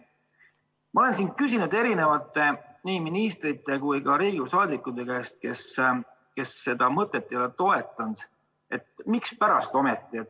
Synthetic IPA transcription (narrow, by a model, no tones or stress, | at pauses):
mɑo̞le̞nsin̥̚kysʲinud̪e̞ɾine̞vɑt̪ːˑe̞niːminist̪rit̪ːˑe̞kujkɑɾiːɡusɑːd̪ikːˑud̪e̞kæest̪̚ke̞s | ke̞sːe̞d̪̥ɑmɤt̪ːˑet̪ːijɑlːet̪o̞e̞t̪ːˑɑnd̪̥ | e̞t̪mikspæɾɑst̪o̞me̞t̪ˑːiet̪